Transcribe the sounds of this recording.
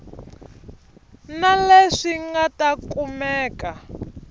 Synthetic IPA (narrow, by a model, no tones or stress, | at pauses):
naleʂiŋɡatakumɛːka